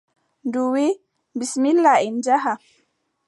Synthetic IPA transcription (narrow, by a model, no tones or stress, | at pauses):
nduwi | bismilːaɛnd͡ʒaɦa